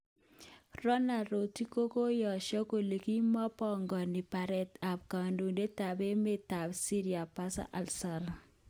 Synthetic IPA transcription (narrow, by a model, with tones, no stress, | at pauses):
rɔ˦na˨ɾo˨ti˦ko˦ko˦jɔ˨ʃɔ˦ko˨li˨ki˦mɔ˦pɔ˦ŋɡɔ˨ni˨pa˨ɾɛ˨ta˨p̚ka˨ndo˨de˦ta˨be˦me˦ta˨bsi˦ɾi˨a˨pa˦sa̰˦ʔa˨lsa˨ɾ